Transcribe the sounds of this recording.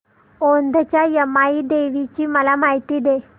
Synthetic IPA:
ond̪ʱət͡ɕjajəmaiːd̪eʋit͡ɕiːməlamaɦit̪iːd̪e

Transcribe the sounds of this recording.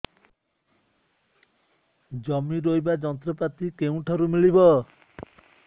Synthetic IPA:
d͡ʒɔmiɾojbad͡ʒɔnt̪ɾɔpat̪ikeũʈʰɔɾumilibɔ

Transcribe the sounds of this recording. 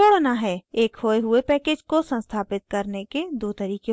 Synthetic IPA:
oɽnaɦɛeːkhoːeɦʊepɛːkeːd͡ʒkosə̃nst̪ʰaːpɪt̪̚kɐɾneked̪oːt̪ɐɾiːke

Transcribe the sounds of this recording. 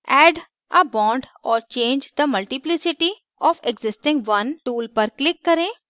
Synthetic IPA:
ɛːɖ | əbɔ̃ːɳɖɔːɾt͡ʃẽːnd͡ʒd̪əmɐlʈiplɪsɪʈi | ɔːfeɡzɪsʈɪ̃ŋɡʋɐnʈuːlpɐɾklɪkːɐɾẽː

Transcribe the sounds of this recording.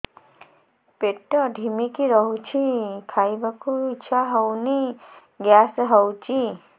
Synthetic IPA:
peʈːɔɖʱimikiɾɔɦut͡ʃʰikʰaibakuiːt͡ʃʰaɦɔwni | ɡjasɦɔwt͡ʃʰi

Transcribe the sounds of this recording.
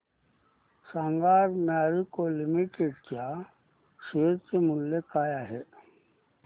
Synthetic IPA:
saŋɡaːɾnaːɾikolimiʈeɖkja | ʃeːɾtemʊlːekaːjaɦɛ

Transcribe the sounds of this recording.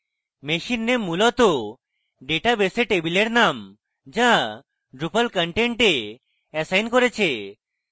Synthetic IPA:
meʃinːemulɔt̪o | ɖeʈabeseʈebileɾnam | d͡ʒa | ɖɾupalkəɳʈẽɳʈe | ɛsajnkɔɾet͡ʃʰe

